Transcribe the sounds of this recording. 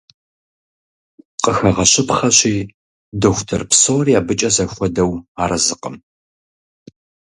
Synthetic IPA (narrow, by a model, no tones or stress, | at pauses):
qəxɐʁɐɕɪpχɐɕiː | doːxʷtʰɐ̰rpsoːriaːbɨt͡ʃʼɐzɐxʷɔdɐwaːɾɐzɨqə̰m